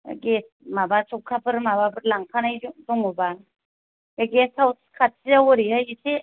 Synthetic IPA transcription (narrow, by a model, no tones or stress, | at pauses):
ɡes | mabat͡ʃʰɔkʰabɯɾmababɯɾlaŋpʰanajdɔŋuba | eɡesʰawskʰatiawɔɾiɦajisʰe